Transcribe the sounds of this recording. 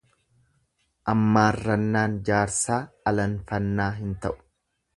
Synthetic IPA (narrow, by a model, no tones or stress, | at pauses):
ʔɐmːaːrːɐnːaːnd͡ʒaːɾsaːɐlɐnfɐnːaːɦɪnt̪ɐʔʊ̥